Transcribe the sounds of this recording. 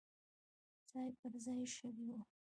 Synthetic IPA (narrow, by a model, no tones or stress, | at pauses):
d͡zɑjpəɾzɑjʃəɾiwu